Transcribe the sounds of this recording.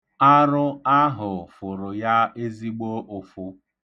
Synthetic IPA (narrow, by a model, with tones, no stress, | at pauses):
a˦ɾʊ˦a˦ɦʊ˨fʊ˨ɾʊ˨ja˦e˦zi˦ɡ͡bo˦ʔʊ˨fʊ˨